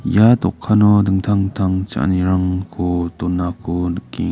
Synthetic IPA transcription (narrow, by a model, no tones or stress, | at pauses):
jat̪ɔkʰːanɔdɯŋt̪ʰaŋt̪ʰaŋt͡ʃa̰ʔniɾaŋkʰɔt̪ɔnːakʰɔdkːḭ